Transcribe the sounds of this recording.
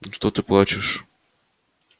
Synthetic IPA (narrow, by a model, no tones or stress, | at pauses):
ʂt̪ot̪ɨplˠat͡ɕɪʂ